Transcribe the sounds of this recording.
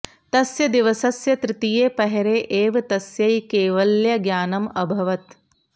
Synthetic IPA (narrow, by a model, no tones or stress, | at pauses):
t̪ɐsjɐd̪iʋɐsɐsjɐt̪ɾɪt̪ijeːpɐɦeɾeːʔeːʋɐt̪ɐsjɐjkeːʋɐljɐɡjaːnɐmɐbʱɐʋɐt̪